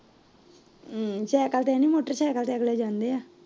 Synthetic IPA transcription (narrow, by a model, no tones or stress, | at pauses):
t͡ʃɛːkalt̪ɛːnĩːmoːʈəɾt͡ʃɛːkalt̪ɛːəɡlɛːd͡ʒãːnd̪eaː